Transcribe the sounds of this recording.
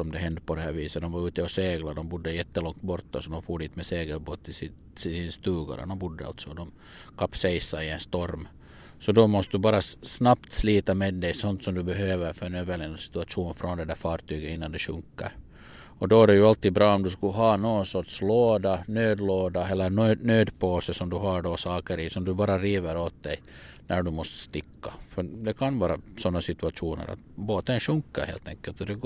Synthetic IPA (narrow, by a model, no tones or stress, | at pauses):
sɔmd̪ɛɦɛnd̪əpʰɔd̪ɛɦæːɾviːsət̪d̪ɔmvaɾʉːt̪əɔseːɡlad̪ɔmbʊd̪ːəjɛt̪ːəlɔŋt̪̚bɔɾt̪ːasɔd̪ɔmfoːɖiːt̪mɛseːɡəlboːt̪ːɪs | sɪnst̪ʉːɡa̰ɾə̰d̪ɔmbʊd̪ːəa̰lt̪sɔd̪ɔm | kʰapːsɛjsaɪɛnst̪ɔɾm | sɔd̪ɔmɔst̪əd̪ʉbɑːɾasnapt̪sliːt̪ameːd̪ːɛjsɔnt̪sɔmd̪ɵbɛɦøːvəɾfœɾɛnøːvəɭɛnasɪ̥t̪ʉɑʂuːnfɾʔɔnd̪ɛd̪æɾfɑːɾt̪yːɡət̪ɪnːand̪ɛʂɵŋkːɑ̰ɾ | ɔd̪ɔæɖɛjʉalt̪ːiːd̪bɾɑːɔmd̪ʉskɵɦɑːnoːɡ̪sɔʈʂloːd̪anøːd̪loːd̪aɛlːəɾnːnøːd̪pʰoːsəsɔmd̪ʉɦaɖɔsɑːkəɾɪsɔmd̪ʉbɑːɾaɾiːʋəɾoːt̪̚d̪ɛj | nʔæɖʉmɔst̪ə̥st̪ɪkːafœd̪ɛkʰanvɑːɾa̰sɔnːasɪt̪ʉaʂuːnə̰ɾa̰t̪boːt̪əɛnʂɵŋkːaɾhḛːlt̪ʰɛŋkɛlt̪ɔd̪ɛɡ